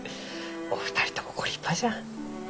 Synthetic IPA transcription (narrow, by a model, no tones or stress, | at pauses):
o̰fɯ̟̥t̪aɾʲi̥t̪omokoɾʲipʰːad͡ʑa